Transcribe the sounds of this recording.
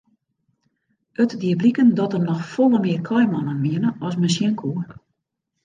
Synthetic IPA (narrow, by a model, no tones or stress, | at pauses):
ətdiəblikəndɔtəmnɔxfolˠəmɪərkʰɔjmɔnənmiənəɔs̬məns̬jinkʰu